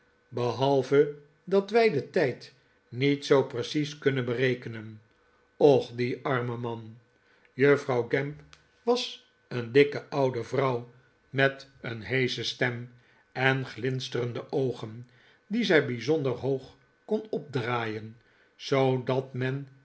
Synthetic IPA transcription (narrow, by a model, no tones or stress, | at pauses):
bəɦɑlˠvə | dɑtʋɛjdətɛjt | nitsowprəsiskɵnənbərejkənən | ɔχdiʔɑɹməmɑn | jøfrɑwɡɛmp | ʋɑs | əndɪkəʔɑwdəvrɑw | mɛtənɦejzəstɛm | ɛnχlɪnstərəndəʔowχən | d̪izɛjbizɔndəɹɦowχ | kɔnɔb̚draːjən | z̥owdɑtmɛn